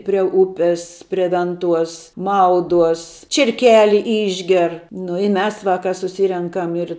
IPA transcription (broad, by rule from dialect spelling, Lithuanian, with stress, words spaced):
pʲrʲiɛ ˈʊpʲɪs pʲrʲiɛ ˈʋʲɛnˌtuɔs ˈmɐʊduɔs t͡ʃʲiɛrʲˈkʲæːlʲɪ ˈɪʒʲɡʲɛr nʊ ɪ ˈmʲɛs ˈʋɑːkɐ sʊˈsʲiːrʲɛŋkɐm ɪr